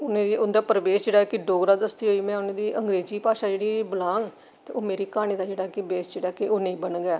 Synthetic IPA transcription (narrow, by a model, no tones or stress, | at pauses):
ʊnẽːd̪iːʊnd̪aːpəɾəʋeːsd͡ʒeːɽaːkɪɖoːɡɾaːd̪əst̪iːɦoːiːmɛ̃ːʊnẽːd̪iːʔəŋɡɾeːziːpaːʃaːd͡ʒeːɽiːbəlaːŋɡ | t̪eːoːmeːɾiːkaːɽ̃iːd̪aːd͡ʒeːɽaːɦkɪbeːsd͡ʒeːɽaːkɪoːnẽĩːbənɡɛː